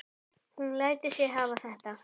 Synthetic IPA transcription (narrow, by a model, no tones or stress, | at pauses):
hunlaːjt̪ɪ̥sjɛɦaːvaθɛht̪a